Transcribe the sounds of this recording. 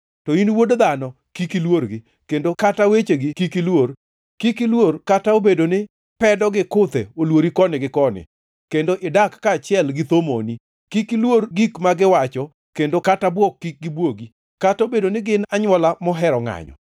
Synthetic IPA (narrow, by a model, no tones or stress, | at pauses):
tɔinwodod̪anɔ | kikilworɡɪ | kendokatawet͡ʃeɡɪkikilwor | kikilworkataobedonɪ | pɛdɔɡɪkʊt̪eolwoɾikɔnɪɡɪkɔnɪ̰ | kendoʔɪdakːaːt͡ʃɪɛlɡɪt̪omo̰ni | kikilwoɾɡikmaɡɪwat͡ʃɔ | kendokatabwɔkːik̚ɡɪbwoɡi | katobedonɪɡɪnaɲwɔlamɔɦɛɾɔŋa̰ɲɔ̰